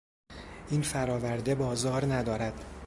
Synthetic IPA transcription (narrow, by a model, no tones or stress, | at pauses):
ʔiːnfæɾɒːvæɾd̪e̞bɒːzɒːɾnæd̪ɒːɾæd̪̥